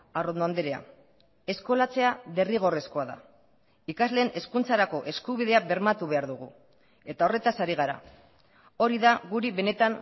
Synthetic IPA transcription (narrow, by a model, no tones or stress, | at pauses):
arond̪oand̪eɾea̰ | e̞sko̞lat͡se̞aβe̞riɣ̞o̞re̞sko̞aða̰ | ikazle̞ːne̞skunt͡saɾako̞ʔe̞skuβ̞iðe̞aβe̞ɾmat̪uβe̞aɾðuɣṵ | e̞t̪aore̞t̪asaɾiɣ̞aɾa̰ | o̞ɾiðaɣuɾiβe̞ne̞t̪aŋ